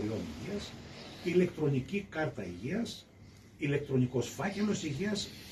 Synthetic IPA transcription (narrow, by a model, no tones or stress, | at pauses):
ɾio̞nḭʝiɐsile̞kt̪ɾo̞nicikɐɾt̪ɐiʝiɐs | ile̞k̚t̪ɾo̞niko̞sfɐce̞lo̞siʝiɐs